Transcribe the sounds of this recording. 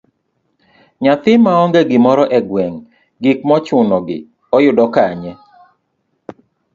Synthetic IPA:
ɲat̪ɪmaɔŋɡɛɡɪmɔɾɔʔɛɡwɛŋ | ɡɪk̚mɔt͡ʃʊnɔɡɪ̰ | ɔjʊdɔkaɲɛ

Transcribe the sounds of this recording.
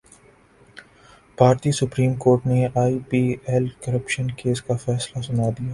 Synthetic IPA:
bʱaːɾt̪isʊpɾiːmkoːɾʈneaːipiːɛlkɐɾəpʃənkeːskafɛːslasʊnaːd̪ijaː

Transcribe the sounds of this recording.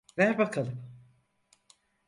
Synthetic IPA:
væɾbakʰalˠɯm

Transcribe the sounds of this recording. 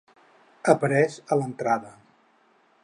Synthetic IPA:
əpəɾɛzələnt̪ɾaðə

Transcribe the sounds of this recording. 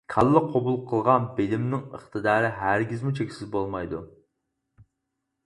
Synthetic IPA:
kʰɑlˠːəqʰobulˠqʰəlˠʁɑnbelɪmnɪŋəχt̪ʰɨd̪ɑːɾɪɦæɾɡʲizmut͡ʃʰekʲi̥sɪzbolˠmɑjd̪u

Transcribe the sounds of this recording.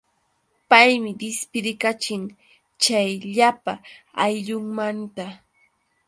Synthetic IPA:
pajmɪd̪ɪspɪɾɪkat͡ʃɪŋ | t͡ʃajʎapa | ajʎʊŋmant̪a

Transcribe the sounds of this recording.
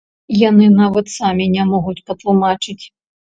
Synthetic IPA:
janɨnavɐt̪samʲinʲamɔɣut͡sʲpɐt̪lˠumat͡ʂɨt͡sʲ

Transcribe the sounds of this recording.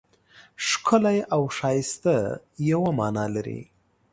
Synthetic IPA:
ʂkʰʊlajʔawʂɑjɪst̪a | jawamɑːnɑlaɾḭ

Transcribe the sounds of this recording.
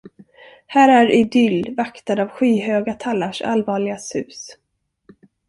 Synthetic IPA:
hæːɾæɾɪd̪ʏlːvakt̪ad̪avɧiːɦøːɡat̪ʰalːaʂa̰lvɑːɭɪɡasʉ̟ːs

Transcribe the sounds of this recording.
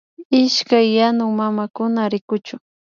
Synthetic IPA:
ɪʃkajːanʊŋmamakʊnaɾɪkʊt͡ʃʊ

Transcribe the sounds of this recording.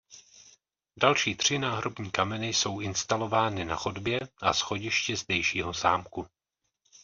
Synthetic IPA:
dalʃiːt̪r̝̥ɪnaːɦɾo̞bɲiːkamɛnɪjso̞wʔɪnst̪alo̞vaːnɪna̰xodbjɛʔa̰sxo̞ɟɪʃcɛzdɛjʃiːɦo̞za̰ːmku

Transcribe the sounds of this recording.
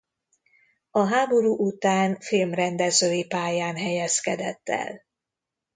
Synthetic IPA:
ɒɦaːbo̞ɾuːʔut̪aːnfilmrɛnd̪ɛzøːjipaːjaːnɦɛjɛskɛd̪ɛt̪ːɛ̰l

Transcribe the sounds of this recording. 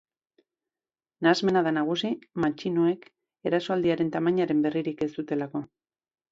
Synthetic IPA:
naːzme̞naðanaɣ̞usimat͡ʃinue̞k | e̞ɾaso̞ald̪iaɾe̞nt̪amaɲaɾe̞mbe̞riɾike̞st̪ut̪e̞lako̞

